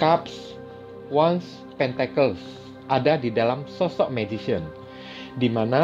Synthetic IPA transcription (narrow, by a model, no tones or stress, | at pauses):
kaps | wans | pɛnt̪ɛkəls | ʔadadidalamsɔsɔʔmɛd͡ʒisiən | dimana